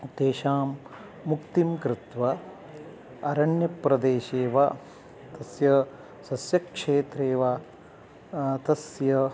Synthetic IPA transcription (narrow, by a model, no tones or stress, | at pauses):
t̪eːʃaːmː | ukt̪imkɾɪt̪ʋɐ | ɐɾɐɳjɐpɾɐd̪eːʃeːʋa | t̪ɐsjɐ | sɐsjɐkʂeːt̪ɾeːʋa | t̪ɐsjɐ